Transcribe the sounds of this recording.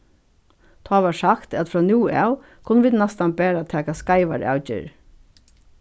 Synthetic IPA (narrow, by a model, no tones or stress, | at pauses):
t̪ʰɑːʋɑːʂakt̪æt̪fɹɔːnjuːa̰ʊ | kʰʊnəʋɪːt̪nɛst̪anbæːɾat̪ʰɛːkaskaɪʋa̰ɹʔa̰ʊcɪ̰ɹ